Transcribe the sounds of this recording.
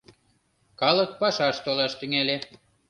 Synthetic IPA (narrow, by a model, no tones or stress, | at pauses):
kɑlɤ̆t̪̚pɑʃɑʃt̪olɑʃt̪yŋæle